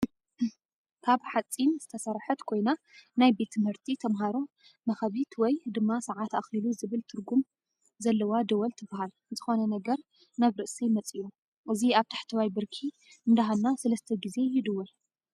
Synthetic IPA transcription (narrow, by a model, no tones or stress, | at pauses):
kʰaβħat͡sʼinz̥ɨt̪ʰɐsɐɾħɐt̪kʰo̞jnanajbe̞t̪ʰːɨmhɨɾt̪ʰit̪ʰɐmɦaɾo̞ | mɐxɐβit̪wɔjd̪ɨmːasɐʕat̪ʰʔaxiluzɨβɨlt̪ʰɨɾɡum | zɐlːɐwad̪ɐwɐlt̪ʰɨbːahal | zɨxo̞nɐnɐɡɐɾ | naβɾɨʔsijmɐt͡sʼiju | ʔɨziaβt̪ʰḁħt̪ʰɐwajbɨɾkʰi | ɨnd̪aɦanːasɐlɐst̪ʰɐɡize̞jɪd̪ɨwɐl